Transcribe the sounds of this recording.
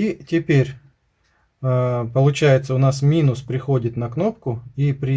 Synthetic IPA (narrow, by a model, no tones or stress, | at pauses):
itʲɪpʲeɾʲ | pəlˠʊt͡ɕæjɪt̪səʊnasmʲinʊspɾʲɪxo̞dʲɪt̪nɐkno̞p̚kʊipɾʲɪ